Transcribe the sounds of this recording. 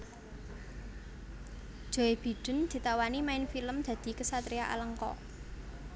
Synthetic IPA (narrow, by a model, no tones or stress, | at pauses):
d̥ʒ̥ɔ̤eb̥i̤ɖ̥ə̤nd̪̥i̤t̪awanimaɪnfiləmd̪̥ä̤d̪̥i̤kəsat̪ɾiaʔa̰ləŋkɔ̰